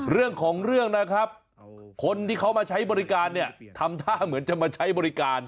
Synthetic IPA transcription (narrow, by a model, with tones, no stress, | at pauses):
ɾɯ˥˩əŋkʰɔː˩˦ŋɾɯ˥˩əŋna˦˥kʰɾa˦˥p̚ | kʰo˧nt̪iː˥˩kʰa˦˥wmaː˧t͡ɕʰa˦˥jbɔː˧ɾi˦˥kaː˧nːi˥˩ɐt̪ʰa˧mt̪ʰaː˥˩mɯ˩˦ənt͡ɕa˨˩maː˧t͡ɕʰa˦˥jbɔː˧ɾi˦˥kaː˧n